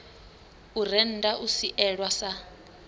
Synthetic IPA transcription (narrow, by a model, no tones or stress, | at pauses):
urɛn̩dʼaʔusiʔɛɺwasa